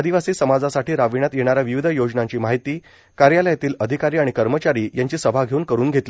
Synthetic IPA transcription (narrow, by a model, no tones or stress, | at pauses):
ad̪iʋasiːsəmad͡zasaʈʰiːɾaʋiɳ̃at̪jeɽ̃aɾjaʋiʋid̪ʱəjod͡znãɲt͡ɕiːmaɦit̪iː | kaɾjaləjat̪iːləd̪ʱikaɾiːaɽ̃ikəɾmət͡ɕaɾiːjaɲt͡ɕiːsəbʱaɡʱeuːnkəɾuːnɡʱet̪l